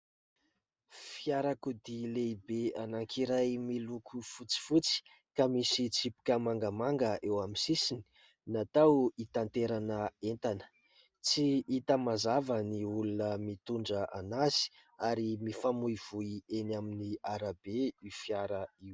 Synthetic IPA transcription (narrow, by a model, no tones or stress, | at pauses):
fiaɾakud̪ileibeanaŋkʰiɾajmilukʰufut͡si̥fut͡si̥ | kamisit͡sipi̥kʲəmaŋɡəmaŋɡəʔewaminsisini̥ | nat̪awit̪ant̪eɾanəent̪anə̥ | t͡siit̪amazavəniulunəmit̪uɳɖ͡ʐəʔanazi̥ | aɾimifamujv̥uienaminiaɾabeifjaɾəiw